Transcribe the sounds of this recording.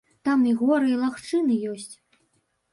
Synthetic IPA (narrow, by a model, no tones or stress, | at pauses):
t̪amiɣɔɾɨilˠaxt͡ʂɨnɨjɔsʲt͡sʲ